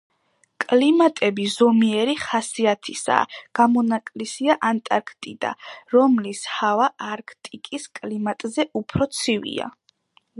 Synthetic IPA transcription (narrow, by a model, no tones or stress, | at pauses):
kʼlimat̪ʼɛbizɔmiɛɾiχasiat̪ʰisa̰ɡ̥amɔnakʼlisiaʔant̪ʼaɾkʰt̪ʼid̪̥a̰ɾɔmlishavaʔːɾkʰt̪ʼikʼiskʼlimat̪ʼzɛʔupʰɾɔt̪sʰivḭa̰